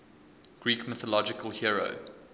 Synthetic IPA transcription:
ɡ̥ɹiːkmɪθɔlɔd͡ʒɪkəlˠhiɹo̰ʊ

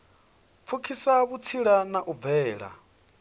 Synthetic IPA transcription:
p̪fʰukʰisaβut͡sʰiɺanaʔub̪vɛːɺa̰

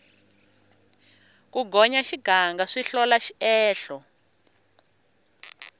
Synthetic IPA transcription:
kuɡʱɔɲaʃiɡ̥ʱaŋɡaʂiɬɔlaʃiɛːɬɔ

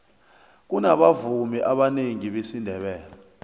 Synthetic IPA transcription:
k̬unaɓavumiʔaɓaneŋiɓesindʱɛɓɛːla

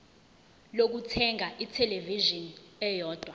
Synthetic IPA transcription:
lok̬utʰɛŋʱaʔitʰɛleviʒɔnɛjɔːd̥ʱwa

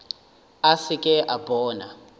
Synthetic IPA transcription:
asikʼɛʔabɔːna

